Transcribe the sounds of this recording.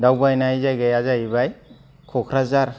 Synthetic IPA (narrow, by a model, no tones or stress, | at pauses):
dawbajnajzajɡajazajibaj | kʰɔkʰɾazaɾ